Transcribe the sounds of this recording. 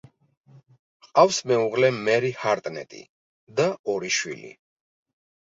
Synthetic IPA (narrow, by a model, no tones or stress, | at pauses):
qʼafsmɛuʁlɛmɛɾihaɾt̪ʼnɛ̰t̪ʼḭ | d̪aɔɾiʃwḭlḭ